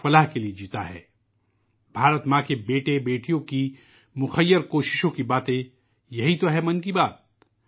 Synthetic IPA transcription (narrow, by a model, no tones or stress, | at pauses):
fɐlaɦkelied͡ʒiːt̪a̰ɦɛ̰ː | bʱaːɾət̪mãːkebeːʈẽbeːʈijõki | mʊxəjːəɾkoːʃɪ̥ʃõkibaːt̪ẽ | jɐɦit̪oɦɛmɐ̃nkibaːt̪̚